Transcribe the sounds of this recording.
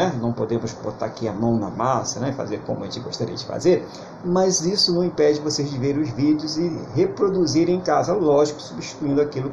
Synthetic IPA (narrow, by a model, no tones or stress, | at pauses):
ɛnɐ̃w̃pod̪ẽmʊsbot̪a̰ɾakiamɐ̃w̃nɐ̰masɐnɛifa̰zeɾkõmʊɐʒẽt͡ʃɪɡoʃt̪aɾḭɐd͡ʒɪfa̰zeɾ | mɐzisʊnɐ̃w̃ĩpɛd͡ʒɪvosezd͡ʒɪveɾẽʊzvid̪ʊzɪɦepɾod̪uziɾẽẽkazɐlɔʒɪkʊ̥subiʃt͡ʃi̥t̪uĩnd̪ʊakilʊ